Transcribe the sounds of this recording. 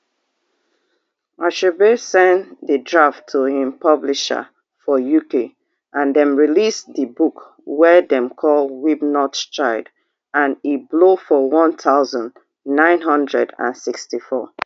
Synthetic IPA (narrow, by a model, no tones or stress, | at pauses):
aʃebesɛ̃nðədɹaftʰuhĩmpʌbliʃə̰ | fɔjuke | ʔãnðɛ̃mɹilisðəbuk | wɛðɛ̃mkʰɔlwibnɔtt͡ʃaɪd | ʔãniblofɔwɔ̃nθʰaʊzɔ̃n | nãɪ̃nɦʌ̃ndɹɛ̰dã̰nsikstifɔ